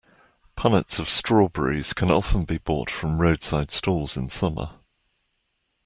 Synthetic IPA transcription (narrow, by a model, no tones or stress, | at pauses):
pʰanətsəv̥stɹ̥ɔːbɛ̰ɹḭz̥kʰə̃nɒfə̃nbibɔ̰ˑtfɹə̃mɹəʊd̥saɪd̥stuːlˠz̥ɪ̃nsʌmə̰